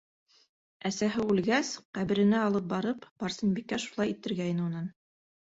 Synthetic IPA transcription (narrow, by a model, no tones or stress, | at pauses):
æsæɦɘʉlɡæsqæβɘ̆ɾɘ̆næɑlˠɤp̚bɑɾɤpb̥ɑɾsɤnbikːæʃulˠɑjit̪ɘ̆ɾɡæj̆nɘunɑn